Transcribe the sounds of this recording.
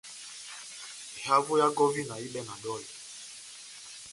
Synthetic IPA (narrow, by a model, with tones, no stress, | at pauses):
ha˦vo˦ja˦ɡɔ˦vi˦na˨i˦ɓɛ˦ŋa˨ɗɔ˦˨i˨